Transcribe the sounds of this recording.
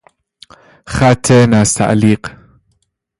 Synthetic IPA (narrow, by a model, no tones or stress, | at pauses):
χat̪ʰːenast̪ʰa̰ʔliːq